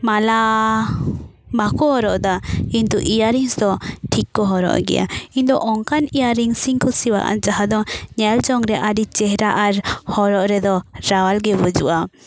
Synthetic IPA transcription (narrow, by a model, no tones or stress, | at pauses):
mala | bakɔɦɔɾɔʔd̪aint̪uʔijaɾiŋsd̪ɔʈʰikːɔɦɔɾɔ̰ʔɡɛ̰ja̰ind̪ɔʔɔŋkanijaɾiŋsiŋkɔsiwa̰ʔa̰d͡ʒaɦad̪ɔɲɛld͡ʒɔŋɾɛʔaɖit͡ʃɛɦɾaʔaɾhɔɾɔʔɾɛd̪ɔɾawalɡɛbud͡ʒṵʔa